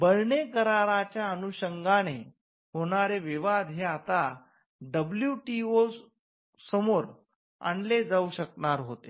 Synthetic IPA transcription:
bəɾɳekəɾaɾat͡ɕjaənuɕəŋɡane | ɦoɽ̃aɾeʋiʋad̪ʱɦeat̪a | ɖəbljuʈio | səmoɾ | a̰ɳled͡zauɕəkɳaɾɦot̪e

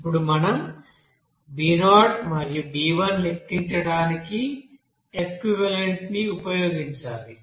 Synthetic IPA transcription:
pːuɽumɐnɐm | biːnaːʈmɐɾijubiːʋɐnlit̪ːiɲt͡ʃɐɽaːniki | ekwiʋɐleɳʈniupɐjoːɡiɲt͡ʃaːli

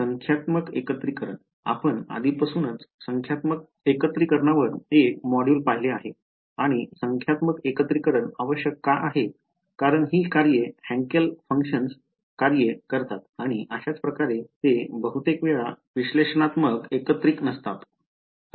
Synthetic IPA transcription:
səŋkʰjat̪məkḛkət̪ɾikəɾəɳ | a̰pəɳa̰d̪ʱiːpəsuːnət͡ssəŋkʰjat̪mək̚ | ekət̪ɾikəɾɳaʋəɾekmɔɽjuːlpaɦileaɦe | aɽ̃isəŋkʰjat̪məkekət̪ɾikəɾəɳaʋəɕjəkːaʔaɦe | kaɾəɳɦiːkaɾjehæ̃ŋkəlfəŋkɕəns | kaɾjəkəɾt̪at̪aɽ̃iʔəɕat͡spɾəkaɾet̪ebəɦut̪ekʋeɭa | ʋiɕleʂɳat̪məkekət̪ɾiknəst̪at̪

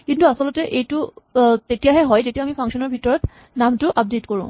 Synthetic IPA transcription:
kintuasɔlɔtɛʔejtʊtetijaɦɛɦɔjd͡ʒetijamipʰaŋksɔnɔɹbʱitɔɹɔt | namtʊʔap̚detkoɹṵ̃

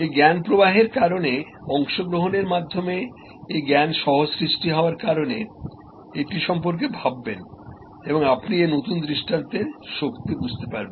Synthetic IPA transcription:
eɡɛnpɾobaɦeɾkaɾone | ɔŋʃoɡɾoɦoneɾmad̪ʱːome | eɡɛnʃɔɦosɾiʃʈiɦɔoaɾkaɾone | eʈiʃɔmpoɾk̬ebʱabːen | eboŋapnienot̪und̪ɾiʃʈʰant̪eʃokt̪ibud͡ʑʱt̪epaɾben

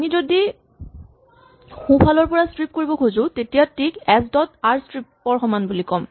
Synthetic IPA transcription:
amizodi | xũpʰalɔɹpɔɹastɹip̚koɹibɔkʰozʊ̃tetijatikɛsdɔtaɹstɹipːɔɹxɔmanbulikɔm

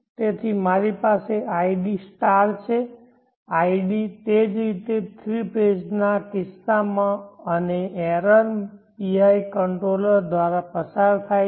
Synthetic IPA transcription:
t̪et̪ʰimaɾipaseʔaiɖisʈaɾt͡ʃʰe | aiɖit̪ed͡ʒɾit̪et̪ʰɾiped͡ʒnakɪsːamãəneɛɾəɾpiajkəɳʈɾoləɾd̪ʋaɾapəsaɾt̪ʰaj

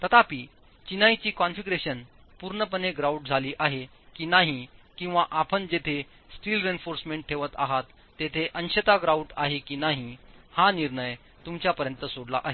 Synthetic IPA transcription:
t̪ət̪apiː | t͡ɕinajt͡ɕiːkɔnfiɡɾeɕən | puɾɳəpəneɡɾauʈ̚d͡zʱaliːʔaɦe | kiːnaɦikĩw̃ʋaʔapʰənd͡ʑet̪ʰe | sʈiːlɾenfoɾsmẽɳʈ̚ʈʰːeʋət̪a̰ɦat̪ːet̪ʰeʔənɕət̪aɡɾauʈa̰ɦekiːnaɦi | hãniɾɳəj | t̪umt͡ɕjapəɾjənt̪əsoɽla̰ʔaɦe

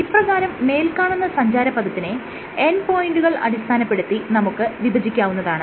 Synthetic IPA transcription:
iprɐɣaːɾɐmːe̞ːlkaːɳunːɐsɐɲd͡ʑaːɾɐpːɐd̪ɐt̪ːine | enpo̞ːjiɳɖuɣɐɭɐ̰ɽist̪ʰaːnɐpːe̞ɽut̪ːinɐmukːɨʋibʱɐd͡ʑikʲːaːʋunːɐðaːɳɨ

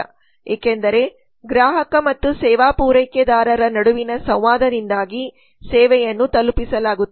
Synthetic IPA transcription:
ɛːkend̪ɐɾe̞ | ɡɾaːɦɐkɐmɐt̪ːusɛːʋaːpuːɾɐjkjɐd̪aːɾɐɾɐnɐɽuʋinɐsɐʋʋaːd̪ɐɾind̪aːɡi | sɛːʋɛjɐnːut̪ɐlupisɐlaːɡut̪ː

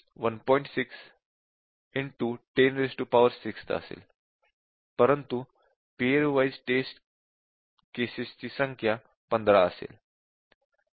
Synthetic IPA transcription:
ʋənpɔ̃ĩɳʈsiks | iɳʈuʈenɾesʈupaʋəɾsikst̪ə̰sḛːl | pəɾənt̪u | pieɾʋajd͡zʈesʈ | kesist͡ɕiːsəŋkʰja | pənd̪ɾaəsḛl

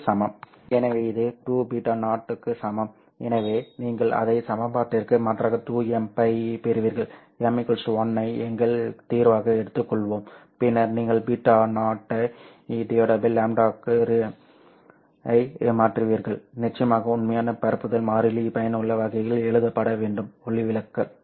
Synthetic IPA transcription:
sɐmɐm | ɛnɐʋeːɪðɯʈuːbiːʈːaːnaːʈːɯkːɯsɐmɐm | ɛnɐʋeːniːŋɡɐɭʔɐ̰ðɐɪsɐmɐpaːʈːɪɾkɯmɐʈraːɣɐʈuːɛmpɐɪpeɾɯʋiːɾɣɐɭ | kɛmːɪkːɐlsʋɔnːɐɪɛŋɡɐɭt̪iːɾʋaːɣɐɛɽɯt̪ːɯkːɔɭʋoːm | pɪnːɐɾniːŋɡɐɭbiːʈːaːnaːʈːɐ | iɖɪoːɖɐbɯlːaːmɖaːkɾ | ɐɪmaːʈrɯʋiːɾɣɐɭnɪt͡ʃːɐjɐmaːɣɐʊnmɐjaːnɐpɐɾɯpːɯðɐlmaːɾɪlipɐjɐnɯɭːɐʋɐɣɐjɐɭɛɻɯðɐpːɐɽɐʋeːɳɖɯmɔɭɪʋɪlɐkːɐ

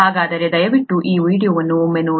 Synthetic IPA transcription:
aːɡaːd̪ɐɾed̪ɐjɐʋiʈːuʔiːʋiːɽijoːʋɐnːumenuː

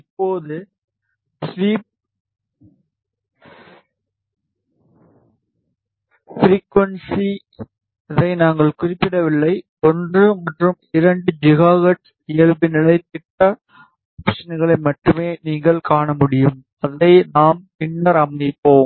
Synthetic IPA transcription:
ɪpːoːðɯ | sʋiːp̚ | fɾiːkʋɐnsi | ɪðɐɪnaːŋɡɐɭkʊrɪpːɪɽɐʋɪɭːɐɪ | ɔndrɯmɐʈrɯmɪɾɐɳɖɯd͡ʒɪɣaːɣɐʈ | ɪjɐɭbɪnɪɭɐɪt̪ɪʈːɐ | ɐːpʂɐnɣɐɭɐɪmɐʈːɯmeːniːŋɡɐɭkaːɳɐmʊɽɪjɯm | ɐðɐɪnaːmpɪnːɐɾɐmɐɪpːoːm

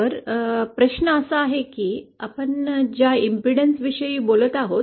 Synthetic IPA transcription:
əɾpɾəɕnəəsəaɦekiːapəɳd͡ʑjaimpiɽənsʋiɕəiːbolət̪aɦot̪

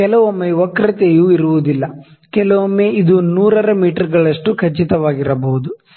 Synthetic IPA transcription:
kɛlɐʋomːeʋɔkɾɐt̪ejuːiɾuʋud̪ilːɐ | kɛlɐʋomːeid̪unuːɾɐɾɐmiːʈɐɾɡɐɭɐʂʈukʰɐt͡ʃːit̪ɐʋaːɡiɾɐbɐɦud̪u

